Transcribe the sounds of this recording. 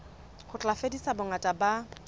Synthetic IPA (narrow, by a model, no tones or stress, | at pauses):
χʊt͡ɬʼafedisabʊŋatʼaba